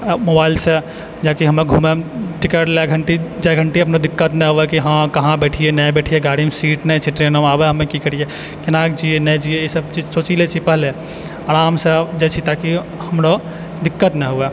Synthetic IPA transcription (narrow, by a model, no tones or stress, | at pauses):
mobailse | d͡ʒakiɦəmeɡʱumemʈikəʈleɡʱəɳʈid͡ʒɛɡʱəɳʈiɦəpnod̪ɪkːət̪nɛɦowɛkiɦãkəɦãbeʈʰijenɛjbeʈʰijeɡaɽimsiʈnɛt͡ʃʰiʈɾenomabeɦəmːekikəɾ̤ije | kenakd͡ʒienɛjd͡ʒijeisəbt͡ʃid͡ʒsot͡ʃilet͡ʃʰipəɦle | aɾamsed͡ʒɛt͡ʃʰit̪aki | həmɾo | d̪ikːət̪nɛɦoɛ